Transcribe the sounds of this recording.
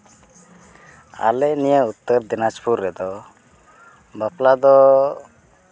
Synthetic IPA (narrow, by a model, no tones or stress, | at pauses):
a̰lɛnijəut̪ːəɾd̪inad͡ʒpʰuɾːɛd̪ɔ | baplad̪ɔ